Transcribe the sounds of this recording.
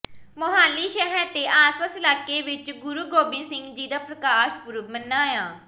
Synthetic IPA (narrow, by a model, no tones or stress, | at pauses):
mʊɦaːliːʃɛɦɛɾt̪eːʔaːspəsɪlaːkeːʋɪt͡ʃɡʊɾuːɡoːbɪnsɪ̃ŋɡd͡ʒiːd̪aːpɾəkaːʃpʊɾʊbmənːaːjãː